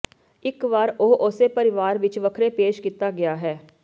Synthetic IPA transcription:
ɪkʋaːɾoːʔʊsepəɾɪʋaːɾʋɪt͡ʃʋəkʰɾeːpeːʃkit̪aːɡɪjaːɦɛː

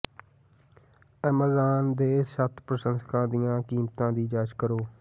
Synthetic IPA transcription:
əməzaːnd̪eːsət̪ʰpɾəsə̃nskʰãːd̪ɪjãːkiːmt̪ãːd̪iːd͡ʒaːt͡ʃkəɾoː

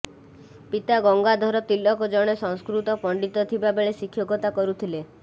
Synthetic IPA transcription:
pit̪aɡɔŋɡad̪ʱɔɾɔt̪ilːɔkɔd͡ʒɔɽ̃esɔŋskɾut̪ɔpɔɳɖit̪ɔt̪ʰibabeɭesikʰːjɔɡɔt̪akɔɾut̪ʰile

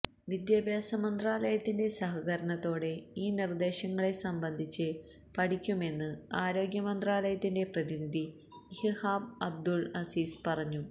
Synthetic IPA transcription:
ʋid̪jabjaːsɐmɐnd̪raːlɐjɐt̪ːinde̞sɐɦɐɣɐɾɐɳɐt̪ːo̞ːɽe̞iːnird̪e̞ːɕɐŋːɐɭe̞sɐmbɐnd̪ʱit͡ɕːɨ | pɐɽikʲːume̞nːɨaːɾo̞ːɡjɐmɐnd̪raːlɐjɐt̪ːinde̞prɐðiniði | hihaːbɐb̚d̪ulɐsiːspɐrɐɲːu

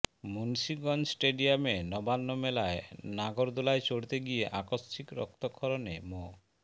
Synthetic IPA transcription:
munsiɡɔnsʈeɖiamenɔbanːomelaenaɡoɾd̪ulajt͡ɕoɽt̪eɡieʔakosːikɾɔ̰k̚t̪okʰɔɾonemo

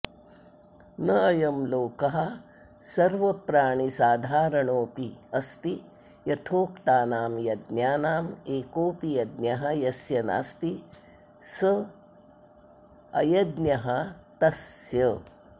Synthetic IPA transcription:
nɐːjɐmloːkɐɦɐ̆ | sɐɾʋɐpɾaːɳ̃isaːd̪ʱaːɾɐɳoːpiɐst̪i | jɐt̪ʰoːkt̪aːnaːmjɐd̪njaːnaːmeːkoːpijɐd̪njɐɦɐjɐsjɐna̰ːst̪i | sɐ | ɐ̰jɐd̪njɐɦɐt̪ɐsjɐ

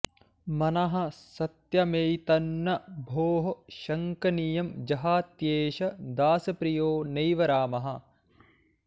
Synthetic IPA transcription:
mɐnɐɦɐ̆sɐt̪jɐmejt̪ɐnːɐbʱoːɦɐʃɐŋkɐnijɐmd͡ʒɐɦaːt̪jeːʃɐd̪aːsɐpɾijoːnɐjʋɐɾaːmɐɦɐ̆

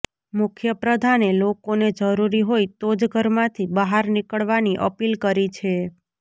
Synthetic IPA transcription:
mʊkʰjəpɾəd̪ʱanelokoned͡ʒəɾuɾiɦoit̪od͡ʒɡʱəɾmãt̪ʰibəɦaɾnikəɭʋaniʔə̰pilkəɾit͡ʃʰe

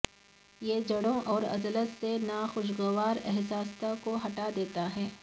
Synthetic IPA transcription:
jeːd͡ʒɐɽõʔɔːɾɐ̰zlət̪senaːxʊʃɡəʋaːɾɛ̰ɦsaːst̪akoɦɐʈad̪eːt̪aɦɛː

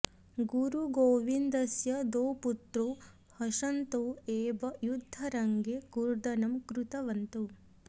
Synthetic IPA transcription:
ɡuɾuɡoːʋind̪ɐsjɐd̪oːput̪ɾoː | hɐʃɐnt̪oːeːbɐjud̪ʱːɐɾɐŋɡeːkuɾd̪ɐnɐmkɾut̪ɐʋɐnt̪u

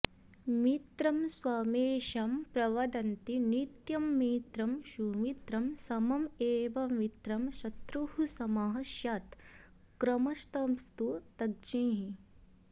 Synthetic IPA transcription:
mit̪ɾɐmswaːmeːʃɐmpɾɐʋɐd̪ɐnt̪init̪jɐmːiːt̪ɾɐmʃuːmit̪ɾɐmsɐmɐmeːʋɐmit̪ɾɐmʃɐt̪ɾuhusɐmaɦɐʃjaːt̪ | kɾɐmɐʃt̪ɐmst̪ut̪ɐɡ̚d͡ʒĩːɦĩ

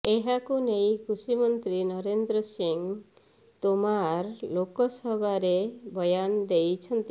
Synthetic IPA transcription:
eɦakunejkʰɾusimɔnt̪ɾinɔɾend̪ɾɔsiŋ | t̪omaɾlokɔsɔbʱaɾebɔjand̪ejt͡ʃʰɔnt̪i

